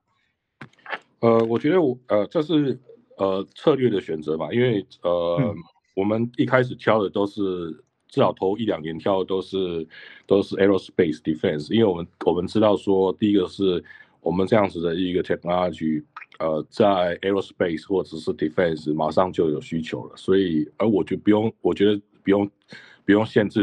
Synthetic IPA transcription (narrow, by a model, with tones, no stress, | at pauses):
ə˧˩wɔ˨˩t͡ɕɥɛ˧˥d̪ə˧wɔ˨˩ə˧ʈ͡ʂə˥˧ʂɻ̩˥˩ | ə˩t͡sʰɤ˥˧lɥɛ˥˩d̪ə˩ɕɥɛ˨˩nt͡sɤ˧˥ma˨i˥nwe˥˩ɪə˧˩ | wɔ˨˩mə˦ni˥˩kʰa˥ɪʂ̬ɻ̩˨˩t̪ʰjɑ˥˧ʊd̪ə˨t̪o˥ʊʂɻ̩˥˩ | t͡sɻ̩˥˩ɑ˨˩ʊt̪ʰo˧˥ʊi˥˩ljɑ˨˩ŋnjɛ˧˥nt̪ʰjɑ˥˩ʊd̪ə˨˩t̪o˥ʊʂɻ̩˥˩t̪o˥ʊʂɻ̩˥˩ɛ˧˥o˥˧˩spe˥˩ɪsd̪̥i˨fɛ˥˩nsi˥nwe˥˩wɔ˨m˦nwɔ˨˩mə˨˦nʈ͡ʂɻ̩˥t̪ɑ˥˩ʊʂwɔ˥t̪i˥˧i˥ɡə˨ʂɻ̩˥˩ | wɔ˨˩mə˦nʈ͡ʂɤ˥˧jɑ˥˩ŋd͡z̩˩d̪ə˩˧i˧˥ɡə˨˧t̪ʰɛ˧˥kŋa˥t͡ɕy˥˩ə˧t͡sa˥˩ɪʔɛ˥ɹo˥˧spe˥˧ɪsxwɔ˥˩ʈ͡ʂə˨˩ʂɻ̩˥˩d̪i˨˩fɛ˥˩nsma˨˩˦ʂɑ˥˧ŋt͡ɕjo˥˩ʊjo˨˩ʊɕy˥t͡ɕʰjo̰˨˧˥ʊlə̰˨swɔ˧˥i˨˩ə˧˥wɔ˨˩t͡ɕpu˧˥jo˥˩ŋwɔ˨˩t͡ɕɥɛ˧˥d̪ə˧pu˨˩jʊ˥˧ŋ | pu˨˥jʊ˥˧ŋɕjɛ˥˧nt͡s̩˥˩